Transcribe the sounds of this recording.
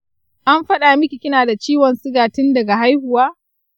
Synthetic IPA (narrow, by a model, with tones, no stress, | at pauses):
ʔa˦mɸɐ˦ɗa˨mɪ˦kʲi˨kʲɪ˦naː˨da˨t͡ʃiː˦wɔ˨nsʼɪ˦ɡaː˨tɪ˦ndɐ˨ɡa˨ɦa˦jhʊ˨waː˦